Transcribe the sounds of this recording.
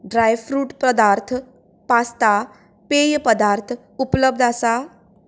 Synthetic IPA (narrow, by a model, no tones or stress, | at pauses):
ɖɾajfɾuːʈpɾəd̪aɾt̪ʰ | past̪a | pejpəd̪aɾt̪ʰ | upləb̚d̪ʱasa